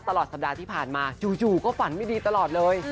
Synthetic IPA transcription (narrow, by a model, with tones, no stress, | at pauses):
t̪a˧lɔː˨˩t̪̚sa˨˩p̚daː˧t̪ʰiː˥˩pʰaː˨˩nmaː˧t͡ɕuː˧˩t͡ɕuː˨˩kɔː˥˩fa˩˦nma˥˩jdiː˧t̪a˧lɔː˨˩t̪̚lɤː˧j